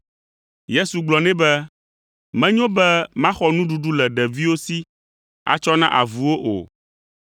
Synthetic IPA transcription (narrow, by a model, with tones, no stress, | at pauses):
je˦su˨ɡ͡blɔ˨nɛ̃˦bɛ˦ | mɛ̃˦ɲõ˦bɛ˦mã˦xɔ˦nũ˦ɖu˨ɖu˦lɛ˨ɖɛ˨vi˦wo˦si˦ | a̰˨t͡ʃɔ˦nã˦ʔa̰˨vu˨wo˦ʔo̰˨